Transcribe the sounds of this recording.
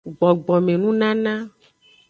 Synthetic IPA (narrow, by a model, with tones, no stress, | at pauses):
ɡ͡bɔ˨ɡ͡bɔ˨mẽ˨nũ˦nã˦nã˦